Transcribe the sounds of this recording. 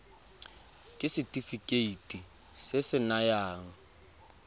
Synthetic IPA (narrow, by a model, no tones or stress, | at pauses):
kʼɪsɪtʼifikʼeitʼi | sɪsɪnajaːŋ̩